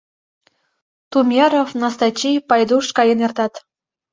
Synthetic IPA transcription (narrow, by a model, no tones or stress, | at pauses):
t̪umʲjeɾofnɑst̪ɑt͡ɕijpɑjd̪uʃkɑjənert̪ɑt̪